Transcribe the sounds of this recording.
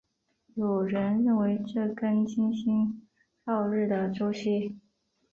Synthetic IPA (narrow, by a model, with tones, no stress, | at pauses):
jo˨˩ʊɻə˧˥nɻə˥˩nwe˧˥ɪʈ͡ʂɤ˥˩kə˥nt͡ɕʰi˥nɕi˥n | tɑ˥˧ʊlɻ̩˥˩d̪ə˩ʈ͡ʂo˥ʊɕi˥˩